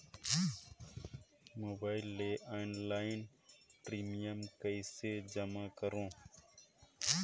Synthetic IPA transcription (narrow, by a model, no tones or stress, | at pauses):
moːbaːilːeʔaːnlaːin | pɾiːmijəmkəjsed͡ʒəmakəɾõː